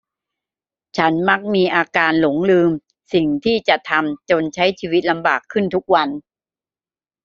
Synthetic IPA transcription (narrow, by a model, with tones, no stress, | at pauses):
t͡ɕʰa˦˥nma˦˥k̚miː˧ʔaː˧kaː˧nlo˩˦ŋlɯː˧m | si˨˩ŋt̪ʰiː˥˩t͡ɕa˨˩t̪ʰa˧mt͡ɕo˧nt͡ɕʰa˦˥jt͡ɕʰiː˧wi˦˥t̪̚la˧mbaː˨˩kʰːɯ˥˩nt̪ʰu˦˥k̚wa˧n